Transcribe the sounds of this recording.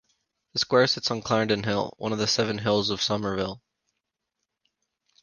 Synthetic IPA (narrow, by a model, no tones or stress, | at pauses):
ðəskwɛɹsɪtsn̩kʰl̥ɛɹɨ̃ntɨ̃nɦɪ̰lˠwʌ̰̃nʌvðəsɛvɨ̃nɦɪlˠzʌv̥sʌmə˞vɪlˠ